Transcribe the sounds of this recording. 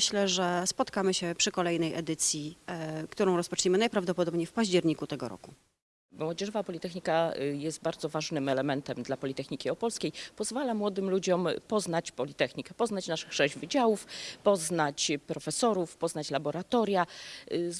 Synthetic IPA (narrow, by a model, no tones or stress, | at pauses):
ɕlɛʐɛspɔt̪kamɘɕɛpʂɘkɔlɛjnɛjʔɛd̪ɘt̪sʲjikt̪uɾɔ̃w̃ɾɔspɔt͡ʂɲɛmɘnajpɾavd̪ɔpɔd̪ɔbɲejfpaʑd͡ʑɛɾɲikut̪ɛɡɔɾɔ̰ku | mwɔd͡ʑɛʐɔvapɔlʲit̪ɛxɲikajɛst̪̚baɾd̪zɔvaʐnɘmɛlɛmɛnt̪ɛmd̪lapɔlʲit̪ɛxɲikʲiɔpɔlskʲejpɔzvalamwɔd̪ɘmlud͡ʑɔmpɔznat͡ɕpɔlʲit̪ɛxɲikɛpɔznat͡ɕnaʂɘxʂɛʑvɘd͡ʑawufpɔznat͡ɕpɾɔfɛsɔɾufpɔznat͡ɕlabɔɾat̪ɔɾja